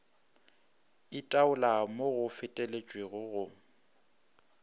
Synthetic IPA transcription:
ɪtʼaʊlamoɣʊfɪtʼɛlet͡ʃʼweɣʊɣʊ

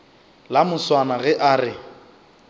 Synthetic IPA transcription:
lamʊswanaɣɛʔaːrɪ

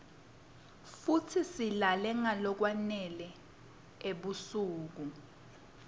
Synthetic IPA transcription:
futʰisilalɛŋalɔk̬wanɛlɛ | eɓusuːk̬u

